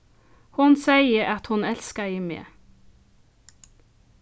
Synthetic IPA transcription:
hʊnsæɪəʔɑt̪hʊnɛlskɑɪːmḛː

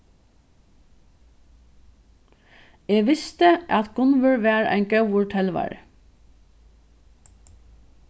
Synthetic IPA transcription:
eːɡʋɪst̪əʔɑt̪ɡʊnʋəɹʋæːɹæ̰ɪnɡœwʊɹʈʰɛlʋɑ̰ɹ

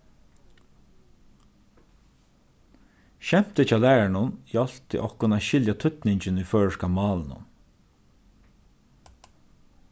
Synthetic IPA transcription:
ʃɛm̥t̪ət͡ʃʰɑːlæːɹaɳʊnjɔl̥t̪ɪ̰ʔɔhkʊnæːʃɪljat̪ʰʏt̪nɪɲt͡ʃɪniføːɹəʂkamɑːlnʊ̰n

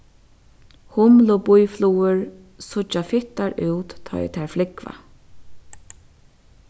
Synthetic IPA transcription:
hʊmlʊbʊjfluːəɹ | sʊt͡ʃafɪht̪aɹʔʉwt̪ʰːɔ̰jt̪ʰɛɹflɪkva̰

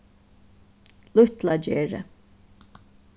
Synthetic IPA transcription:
lʊht̪lad͡ʒeːɹə̰

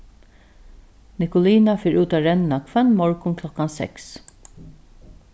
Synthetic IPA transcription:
nɪkʊliːnafɪːɹʉːt̪aɾɛnːakʰvɛnmɔɹkʊnkʰlɔkːansɛ̰ks

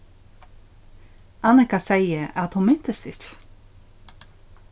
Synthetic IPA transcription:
anɛhkaseːjɪaðhunmɪn̥t̪ɪst̪ɪt̪

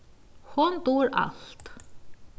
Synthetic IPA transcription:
hʊnt̪uːɾa̰lt̪

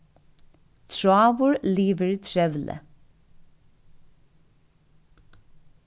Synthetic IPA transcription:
t̪ʰɹɑːʋʊɹliːʋəɹt̪ʰɹɛʋlʔə̰

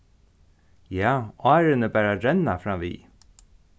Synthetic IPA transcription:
jɑːʔɑːɾənəbæːɾaɾɛnafɾɑːʋḭː

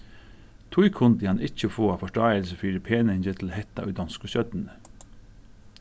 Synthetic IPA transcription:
t̪ʰʊʏkʰʊnd̪əɑnɪçəfoːɑːfɔʂʈɑːəlsəfyːɾəpʰeːnəɪɲçət̪ʰl̩hɛt̪ɑ̰ʔœ̰d̪ɑnskʊçœd̪n̩

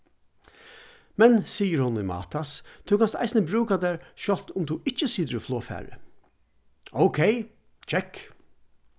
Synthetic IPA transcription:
mɛnsiːjəɾhʊnːɪmɑ̰ːt̪ʰast̪ʰuwkʰanst̪a̰jsnəbɾʉːkad̪æːɹʃɔl̥t̪ʊmt̪ʰuɪht͡ʃːəsiːt̪əɾɪflˠoːfæ̰ːɹə̰ | oʊkʰeɪ | t͡ʃʰɛk

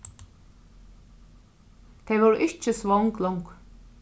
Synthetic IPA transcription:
t̪ʰɛvɔɾɪht͡ʃɪsvɔwŋklɔwŋk

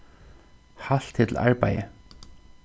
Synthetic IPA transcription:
hal̥t̪ʰːɪt̪l̩ʔa̰ɹpajə̰

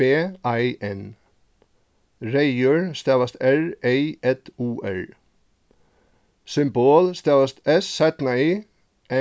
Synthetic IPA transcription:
eːʔɑɪʔɛn | ɹeɪjøɹst̪eːʋɑst̪æɹʔeɪɛt̪uːʔæ̰ɹ | sʏmboːlst̪eːʋɑst̪ɛssæt̪nɑiː | ʔɛ

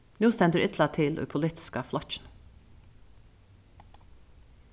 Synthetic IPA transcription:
nuːst̪ɛnd̪əɾʔʏt̪ʰlɑt̪ʰɪlʔʉ̰ːpʰʊlɪːt̪ɪ̥skəflɔt͡ʃn̩

